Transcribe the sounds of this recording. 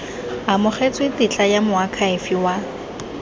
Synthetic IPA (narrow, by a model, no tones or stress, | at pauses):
amʊχet͡sʼwetɪt͡ɬʼajamʊakʰaɪfiwa